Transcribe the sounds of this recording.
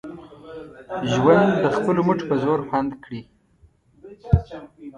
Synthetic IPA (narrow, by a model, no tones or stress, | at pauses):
ʒwand̪d̪əxpəloməʈ͡ʂo̥pəzoɾxand̪kɽi